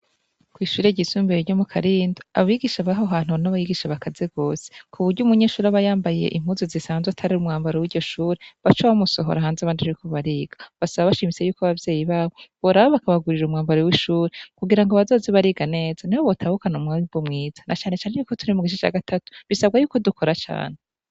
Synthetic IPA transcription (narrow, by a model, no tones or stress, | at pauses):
kwiʃuːɾe̞ɟisuːmbeɾiɾɟo̞mukʰaɾiːndḁaβaβiɡiʃaβaɦoɦaːn̥unaβajiɡiʃaβakazeɡo̞ːse̥kʰuβuɾɟumuɲe̞ːʃuːɾaβajaːmbajje̞̰ʔim̥huzozisaːnzweatʰaɾiɾumŋaːmbaɾewiːɾɟo̞ʃuːɾeβat͡ʃoβamuso̞ɦo̞̰ɾaɦaːnzaβaːndiaɾikoβaɾiːɡ̥ḁβasaβaβaʃimise̞juːkoaβavjeːjiβaːβo̞βoɾaβoβakaβaɡuɾiɾumŋaːmbaɾewiʃuːɾekuɡiɾaŋɡoβazo̞ːzeβaɾiːɡane̞ːz̥aniβoβo̞tʰaːhukanumŋaibumŋiːz̥ḁnat͡ʃaːne̞t͡ʃaːnejuːkotuɾimuɡiʃ̬it͡ʃa̰ːɡatʰatu̥βisabɡajuːko̞dukʰo̞ɾat͡ʃa̰ːn̥e